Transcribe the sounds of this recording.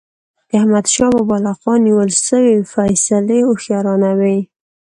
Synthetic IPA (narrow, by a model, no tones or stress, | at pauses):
d̪̥əahmad̪ʃɑbəbɑlɑqwɑnːiwəlʃəwefajsaleoxjɑɾɑnawej